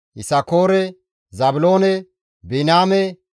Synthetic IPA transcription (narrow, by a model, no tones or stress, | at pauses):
ʔɪsɐkoːɾɛ | zɐbʊloːnɛ | bɛnaːmɛ